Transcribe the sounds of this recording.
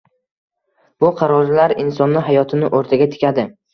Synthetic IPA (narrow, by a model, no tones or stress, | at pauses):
b̥ʊqʰɑɾɒɾlaɾɪnsɒnːɪɦajɒt̪ʰɪnɪʔoɾt̪ʰaɡʲat̪ʰɪ̥kʲʰad̪ɪ